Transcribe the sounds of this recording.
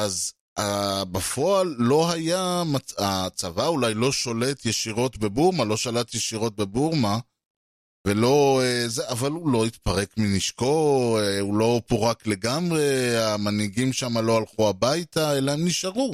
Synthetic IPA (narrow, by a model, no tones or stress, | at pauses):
ʔaz | abafo̞alːo̞ɦajamat͡sat͡savaulajlo̞ʃo̞le̞t̪jeʃiʁo̞t̪be̞buʁmalo̞ʃalat̪jeʃiʁo̞t̚be̞buʁma | ve̞lo̞ezeʔavalulo̞it̪̚paʁe̞kminiʃko̞eulo̞puʁakle̞ɡamʁe̞amaniɡimʃamalo̞alχuabajtaelaemniʃaʁu